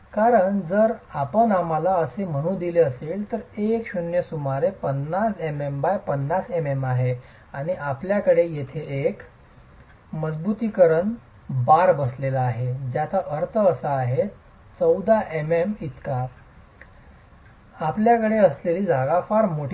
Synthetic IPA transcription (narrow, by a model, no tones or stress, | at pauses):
kaɾəɳd͡zəɾapəɳamalaəsem̤əɽ̃ũːd̪ileəseːlt̪əɾekɕunjəsumaɾepənːasemembajpənːasememaɦe | aɽ̃iʔapljakəɽejet̪ʰeek | məd͡zbut̪ikəɾəɳ | baɾbəslelaːɦed͡ʑjat̪ʰaʔəɾt̪ʰəəsaːɦe | t͡səwd̪aʔememit̪ka | apljakəɽeəsleliːd͡zaɡafaɾmoʈ